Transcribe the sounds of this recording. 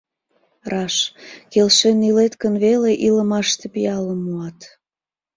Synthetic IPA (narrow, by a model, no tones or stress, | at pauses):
rɑʃkelʃenilet̪kənβeleʔiləmɑʃt̪epiɑləmːuɑt̪